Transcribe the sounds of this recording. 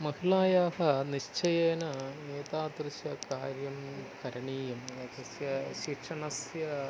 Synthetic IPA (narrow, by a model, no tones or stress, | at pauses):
mɐhilaːjaːhɐniɕt͡ɕɐjeːnɐeːt̪aːd̪rɨsjɐkaːɾjɐmkɐɾɐɳiːjɐmɐd̪ɐsjɐɕiːkʂɐɳɐsjɐ